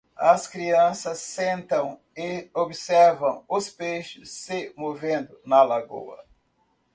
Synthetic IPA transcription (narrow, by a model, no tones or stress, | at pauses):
ɐskɾiɐ̃sɐsːẽnt̪ɐ̃w̃ | ɪobɪsɛɾvɐ̃w̃ʊspejʃʊsːɪmovẽnd̪ʊnɐlaɡo̰wɐ̰